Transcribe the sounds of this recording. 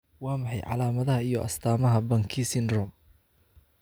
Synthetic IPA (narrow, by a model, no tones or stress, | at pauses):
wɑːmɑħɑjʕɑ̰laːmɐðɐɦɐijɔʔɐ̰st̪ʰaːmɐɦɐbɐŋkʰisɪnrɔm